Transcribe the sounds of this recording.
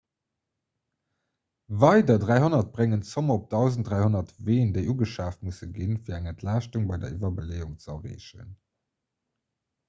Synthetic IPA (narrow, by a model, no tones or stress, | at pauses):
vɑɪdɐdʁæɪɦonɐt̚b̥ʁeŋənt͡somɐop̚d̥ɑʊzənt̚d̥ʁæɪhonɐtveːndeɪʔuːɡəʃaːftmusəɡinfiːɐæŋəntʰlaːʃtuŋbɑɪdɐ̰ivɐbəleːuŋt͡səɐʁḛːʃə̰n